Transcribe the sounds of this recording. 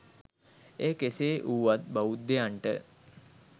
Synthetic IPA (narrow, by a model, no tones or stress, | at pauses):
eːkeseːʔuːʋat̪̚baʋud̪ːejaɳʈə̰